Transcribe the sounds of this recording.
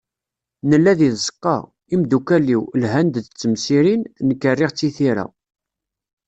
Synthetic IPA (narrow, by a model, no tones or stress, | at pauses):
nəlːæðiðzə̥qːɑ̰ | imd̪ukælːiwlɦænd̪t͡sːəmsiɾinnəkːərːɪʁt͡sːiθiɾæ̰